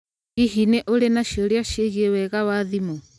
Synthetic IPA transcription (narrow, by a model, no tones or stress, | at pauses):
ɣiɦineʔoɾenaʃiɔɾjaʃeɣiewɛɣawaðimɔ